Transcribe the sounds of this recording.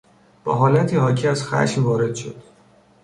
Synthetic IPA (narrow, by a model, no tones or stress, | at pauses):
b̥ɒ̰ːɦɒːlæt̪ʰiːhɒːcʰiːæz̥xæ̰ʃmvɒːɾe̞d̪̥ʃo̞̰d̪̥